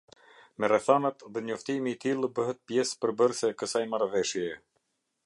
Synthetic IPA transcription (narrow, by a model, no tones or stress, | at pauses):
mɛrɛθanat̪ðɛɲɔft̪imiːt̪ilˠbəɦɛt̪̚pjɛspəɾbəɾsɛkəsajmaɾvɛʃjɛ